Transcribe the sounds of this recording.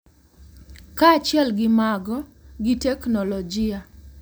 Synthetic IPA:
kat͡ʃjɛlɡɪmaɡɔɡɪtɛknɔlɔd͡ʒɪa

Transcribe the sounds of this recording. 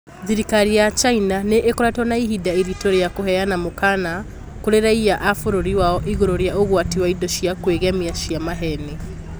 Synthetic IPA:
ðiɾikaɾijat͡ʃainaneʔːkoɾatɔnaiɦidaiɾitoɾejakoɦɛjanamokana | koɾeɾaiaʔafoɾoɾiwaɔʔiɣoɾoɾjaoɣwatiwaidoʃiakweɣɛmiaʃiamaɦɛne

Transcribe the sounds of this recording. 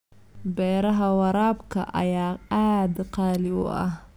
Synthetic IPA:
bɛːɾɐɦɐwɑɾaːbkʰɐ̰ʔɐ̰jaːaːd̪qɑːlɪʊ̰ʔɐ̰h

